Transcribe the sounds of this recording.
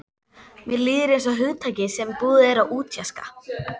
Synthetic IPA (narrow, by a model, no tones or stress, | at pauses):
mjɛliːðɪɾensɔɦʏðt̪ʰaːjcɪsɛmpuːðɪɛɾaʔuːt̪ʰjaska̰